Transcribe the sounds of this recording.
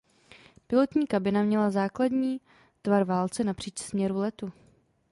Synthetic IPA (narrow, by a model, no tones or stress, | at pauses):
pɪlo̞t̪ɲiːkabɪnamɲɛlazaːkladɲiː | t̪vaɾvaːlt͡sɛnapr̥iːt͡ʃsmɲɛɾulɛt̪u